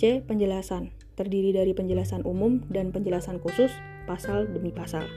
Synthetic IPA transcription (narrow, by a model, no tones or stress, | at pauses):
ɛpəɲd͡ʒəlasan | t̪ərdiɾidaɾipəɲd͡ʒəlasanʔumʊmdanpəɲd͡ʒəlasankusʊs | pasaldəmipasa̰l